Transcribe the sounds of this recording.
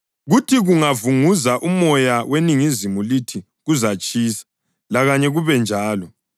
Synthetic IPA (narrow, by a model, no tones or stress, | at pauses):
ɣutʰiɣuŋavuŋuzaʔumɔjaweniŋizimulitʰi | ɣuzat͡ʃʼiːsḁ | laɣaɲɛɣuβɛnd͡ʒʱaːlɔ